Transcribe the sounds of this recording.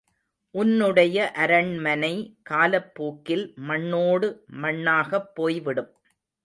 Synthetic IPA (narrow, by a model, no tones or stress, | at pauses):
ʔʊnːɯɽɐjɐʔɐɾɐɳmɐnɐɪkaːlɐpːuːkːɪlmɐɳːoːɽɯmɐɳːaːɣɐpːoːjʋɪɽɯm